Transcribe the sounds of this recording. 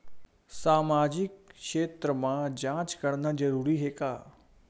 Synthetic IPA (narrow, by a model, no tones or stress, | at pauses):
saːmaːd͡ʒɪkʃeːt̪ɾəmãd͡ʒãːt͡ʃkɐɽnad͡ʒɐɾuːɾiɦeːkaː